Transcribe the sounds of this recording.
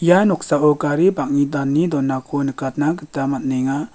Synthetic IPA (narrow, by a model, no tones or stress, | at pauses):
janɔk̚saʔɔkaɾibak̚nid̪anːid̪ɔnːakʰonɯkat̪̚naɡɯt̪amat̪̚neŋa